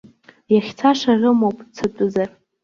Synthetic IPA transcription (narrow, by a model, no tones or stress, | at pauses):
jaχʲt͡sʰaʂarɨmowpʼt͡sʰatʼʊzar